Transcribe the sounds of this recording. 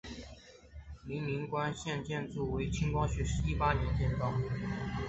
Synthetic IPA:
li˧˥nli˧˥ŋkwa˥nɕjɛ˥˧nt͡ɕjɛ˥˧nt͡su˥˩we˧˥ɪt͡ɕʰi˥ŋkwɑ˥ŋɕɥɛ˧˥ʂɻ̩˧˥i˥˩pa˥njɛ˧˥nt͡ɕjɛ˥˧nt̪ɑ˥˩ʊ

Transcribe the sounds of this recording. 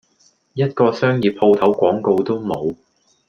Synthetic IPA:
jɐ˥t̚kɔː˧sœː˥ŋjiː˨p̚ʰo˧wt̪ʰɐ˨˥wkʷɔː˨˥ŋko˧wt̪o˥wmo˨˧w

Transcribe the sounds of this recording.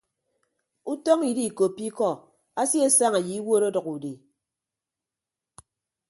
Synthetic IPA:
u˦tɔ˦ŋi˨di˦˨ko˨pːi˦kɔ˦˨ | a˦si˦e˦sa˦ŋa˨ji˨i˦wo˦ɾo˦dɔ˨ku˨de˨

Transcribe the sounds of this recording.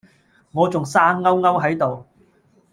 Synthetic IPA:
ŋɔː˨˧t͡sʊ˨ŋsaː˥ŋŋɐ˥wŋɐ˥wɦɐ˨˥jt̪o˨w

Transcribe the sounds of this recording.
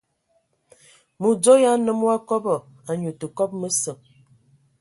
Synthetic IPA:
mu˨d͡zo˦ja˦nə˦mwa˦kɔ˦bɔ˨ | a˨ɲu˨tə˨kɔ˦p̚mə˦sə˨m

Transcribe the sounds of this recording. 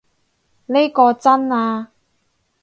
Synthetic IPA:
ne˥jkɔː˧t͡sɐ˥naː˧

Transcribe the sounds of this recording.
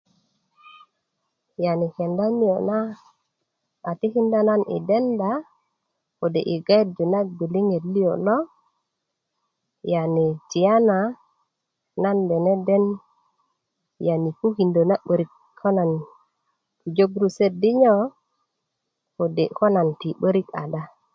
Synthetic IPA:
ja˨ni˨ke˨nda˦ni˦jo˨na˦ | a˨ti˦ki˦nda˦na˦nḭ˨de˦nda˨ | ko˨de˨ʔi˨ɡa˦jt̚d͡ʒo˨na˦k̚bi˨li˦ŋe˨tli˦jo˨lo˦ | ja˨ni˨t͡ʃi˨ja˦na | na˦nbe˨ne˦de˦n | ja˨ni˨ku˦ki˨ndo˨na˦ɓə˨ɾi˨k | ko˦na˨n | tu˨d͡ʒo˦ɡɾu˦se˦di˦ɲo˦ | ko˨de˨ko˦na˨nti˨ɓə˦ɾi˦ka̰˨da˦

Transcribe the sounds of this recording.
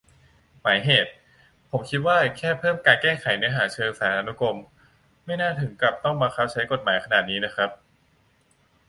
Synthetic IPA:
maː˩˦jɦeː˨˩t̪̚ | pʰo˩˦mkʰi˦˥t̪̚waː˥˩kʰɛː˥˩pʰɤː˥˩mkaː˧nkɛː˥˩xʰa˨˩˦jnɯ˦˥ɦaː˩˦t͡ɕʰɤː˧saː˩˦nʔa˧nu˦˥ko˧m | ma˥˩jnaː˥˩t̪ʰɯ˩˦ŋkla˨˩p̚t̪ɔ˥˩ŋmaː˧xʰa˦˥˩w̚t͡ɕʰa˦˥jko˨˩t̪̚maː˩˦jkʰa˧naː˨˩t̪̚niː˦˥na˦˥kʰɾa˦˥p̚

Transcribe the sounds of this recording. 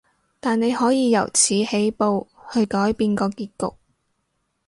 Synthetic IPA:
t̪aː˨nne˨˧jhɔː˨˥jiː˨˧jɐ̰˨˩wt͡sʰiː˨˥he˨˥jpo˨whɵ˧ɥkɔː˨˥jpiː˧nkɔː˧kiː˧t̚kʊ̰˨k̚

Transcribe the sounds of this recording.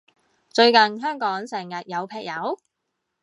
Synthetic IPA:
t͡ʃɵ˧ɥkɐ˨nɦœː˥ŋkɔː˨˥ŋsɛː˨˩ŋjɐ˨t̚jɐ˨˧wpʰɛː˧k̚jɐ˨˥w

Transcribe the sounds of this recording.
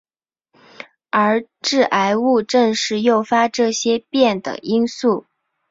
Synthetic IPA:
ə˞˧˥ | ʈ͡ʂɻ̩˥˩ʔa˧˥ɪu˥˧ʈ͡ʂɤ˥˧ŋʂɻ̩˥˧jo˥˩ʊfa˥ʈ͡ʂɤ˥˩ɕjɛ˥pjɛ˥˩nd̪ə̰˩i˥nsu˥˩

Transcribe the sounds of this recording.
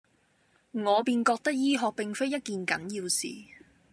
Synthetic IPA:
ŋɔː˨˧piː˧nkɔː˧k̚t̪ɐ˥k̚jiː˥ɦɔː˧k̚pɪ˨ŋfe˥jɐ˥t̚kiː˨nkɐ̰˨˥njiː˧wsḭː˨

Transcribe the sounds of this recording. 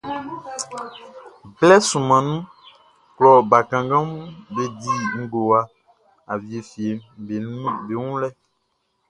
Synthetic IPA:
blɛ˦sũ˨mã˨nũ˦ | klɔ˨ba˨kã˨ŋɡã˦m˦be˨di˨ŋ̩˦ɡo˨wa˨ | a˨vi˨e˨fi˨e˨m˨˦ | be˨ŋũ˦lɛ˦

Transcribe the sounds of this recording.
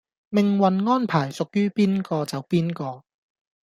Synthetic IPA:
mɪ˨ŋwɐ˨nŋɔː˥npʰaː˨˩jsʊ˨k̚jyː˥piː˥nkɔː˧t͡sɐ˨wpiː˥nkɔː˧

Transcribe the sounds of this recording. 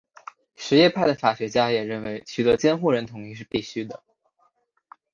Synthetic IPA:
ʂɻ̩˧˥jɛ˥˧pʰa˥˩ɪd̪ə˩fa˨˩ɕɥɛ˧˥t͡ɕja˥jɛ˨˩ɻə˥˩nwe˧˥ɪt͡ɕʰy˨˩t̪ɤ˧˥t͡ɕjɛ˥nxu˥˩ɻə˧˥nt̪ʰʊ˧˥ŋi˥˧ʂ̬ɻ̩˥˧pi˥˩ɕy˥d̪ə˨

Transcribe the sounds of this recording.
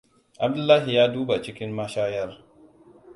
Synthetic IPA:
ʔa˨b̚dʊ˦lːaː˦ɦi˨jaː˦duː˦ba˨t͡ʃɪ˦kʲɪ˦mːɐ˦ʃaː˦jɐ˦r

